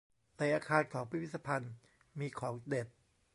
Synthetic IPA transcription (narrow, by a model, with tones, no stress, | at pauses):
na˨˧jʔaː˧kʰaː˧nkʰɔː˩˦ŋpʰi˦i˥t̪sa˧pʰa˧n | miː˧kʰɔː˩˦ŋde˨˩t̪̚